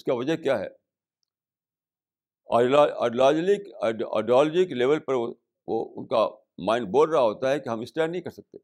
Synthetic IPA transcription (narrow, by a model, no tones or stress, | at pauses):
ʊskaʋɐd͡ʒəɦkjaːɦɛ̰ː | a̰ːɖlaːd͡ʒlɪkːa̰ːɪɖijɔːlɔd͡ʒɪkleːʋəlpɐɾo | ʋo̰ʊ̰nka̰ | mãːɪɳɖ̚boːlɾɐɦaɦoːt̪aɦɛkiɦɐmɪsʈaːɪnɐɦĩkɐɾsɐk̚t̪e